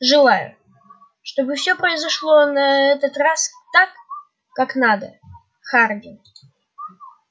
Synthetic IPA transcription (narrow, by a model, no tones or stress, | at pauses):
ʐɨlˠajʊ̰ | ʂt̪obɨfsʲɵpɾəɪzɐʂlˠonɐɛt̪ət̪rast̪akː | aknad̪ə | xardʲɪn